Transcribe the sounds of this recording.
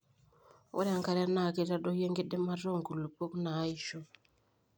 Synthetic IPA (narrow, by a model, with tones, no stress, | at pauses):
o̰˦ɾa˨ŋka˨ɾa˦na˨ke˨ta˦ɗo˦je˦ŋɡe˦ɗe˦ma˦ro˦˨ŋɡu˨lu˨po˦knaː˨˦i˨ʃo˦